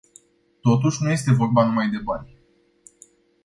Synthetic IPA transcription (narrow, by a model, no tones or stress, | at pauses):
t̪o̞t̪uʃʲnuje̞st̪e̞vo̞rbanumajd̪e̞banʲ